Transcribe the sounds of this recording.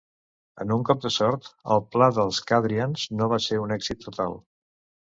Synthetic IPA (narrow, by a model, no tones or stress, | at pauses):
ə̰nuŋkɔp̚d̪əsɔɾt̪ə̰lˠplaðəlˠskaðɾiənznoβaseunɛɡz̥it̪ːut̪alˠ